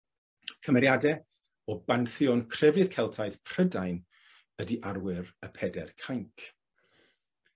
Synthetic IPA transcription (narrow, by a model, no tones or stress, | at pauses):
kʰəmɛɾjadɛ | ɔbanθjɔnkʰr̥ɛvɨðkʰɛlˠtʰaɨθpʰr̥ədajn | ədiʔarwɪɾəpʰɛdɛrkʰajŋkʰ